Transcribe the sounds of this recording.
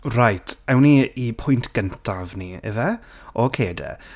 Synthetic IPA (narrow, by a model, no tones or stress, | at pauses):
rajtʰɛwniipʰʊjntʰɡ̥əntʰavniə̰ðɛ | ɔkʰeːdɛ̰